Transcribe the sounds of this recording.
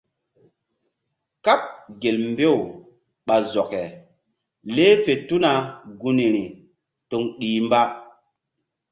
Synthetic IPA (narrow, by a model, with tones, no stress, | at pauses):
ka˦p̚ɡe˨lmbe˦˨w | ɓa˨zɔ˨kɛ˨ | le˦fe˨tu˦na˨ɡu˦ni˨ɾi˨ | to˨ŋɗiː˨mba˦